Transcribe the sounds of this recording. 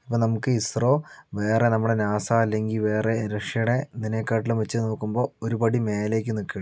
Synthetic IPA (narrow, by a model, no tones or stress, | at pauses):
ipːoːnɐmukːɨisroːʋe̞ːrenɐmːuɽenaːsaːɐlːe̞ŋɡilʋe̞ːreɾɐʂjɐjuɽe̞indineːkːaːʈːilumʋet͡ɕːɨno̞ːkːumbo̞ːoɾupɐɽime̞ːle̞ːk̬ʲːɨnokːiɐɽ